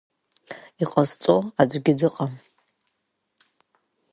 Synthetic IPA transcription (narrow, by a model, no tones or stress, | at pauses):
iqʼazt͡sʼoad͡zʷɡʲɪdɨqʼam